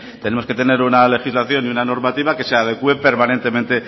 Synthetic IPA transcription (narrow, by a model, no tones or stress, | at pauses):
t̪e̞ne̞moske̞t̪e̞ne̞ɾunale̞xizlaθjo̞niunano̞ɾmat̪iβake̞seað̞ekue̞pe̞ɾmanent̪e̞mẽnt̪e̞